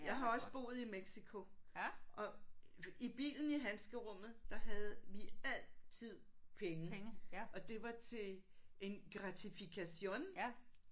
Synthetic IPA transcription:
jɑ̈ɪɦɑ̈ɒ̽səb̥o̝̰ːð̩ˠimeɡ̥sikʰo̝ʔɒ̽ | ib̥ḭːln̩iɦænsɡ̥əʁɔ̽m̰ð̞̩ˠd̥ɑ̈ɦæð̞̩ˠʋiæl̰t͡sʰið̞̰ˠpʰeŋəŋʔɒ̽d̥e̝ʋɑ̈t͡sʰe̝e̝nɡ̥ʁɑ̈t͡sʰifikʰæɕo̝̰n

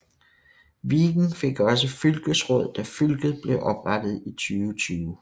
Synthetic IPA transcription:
ʋiːɡ̥n̩fe̝ɡ̥ɒ̽s̬əfylɡ̥əsʁɔð̞̰ˠd̥æfylɡ̥ð̩ˠb̥le̝ʊʔɒ̽b̥ʁɑd̥ð̞̩ˠit͡sʰyːʊt͡sʰyːʊ

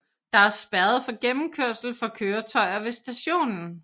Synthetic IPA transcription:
d̥ɑ̈æɐsb̥æɐð̩ˠfɒ̽ɡ̥emm̩kʰøɐ̰sl̩fɒ̽kʰøːɐt͡sʰɒ̽ɪ̰ɐʋe̝sd̥æɕo̝̰ːnn̩

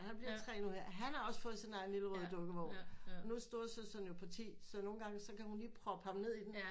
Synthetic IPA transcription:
hænb̥liɐ̰t͡sʰʁɛ̰ːnuheɐ̰ɦænhɑ̈ɒ̽sə̥fɔ̽ːð̞̩ˠsinɑ̈ɪn̩liləʁɔðˠd̥ɔ̽ɡ̥əʋɒʊ̰n̩ɒnusd̥o̰ːsøsd̥ænjo̝pʰɒ̽t͡sʰḭːsɒ̽no̝ːn̩ɡ̥ɑ̈ŋəsɒ̽kʰæhunliːpʰʁɒpʰɑ̈b̥əne̝ð̰ˠid̥en

